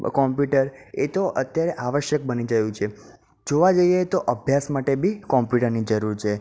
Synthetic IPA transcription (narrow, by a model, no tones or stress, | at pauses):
kɔmpjuʈəɾet̪oʔət̪jaɾeʔaʋəʃjək̚bənid͡ʒəjũt͡ʃʰe | d͡ʒoʋad͡ʒəijat̪oʔəbʱjasmaʈebʱikɔ̃mpjuʈəɾnid͡ʒəɾuɾt͡ʃʰe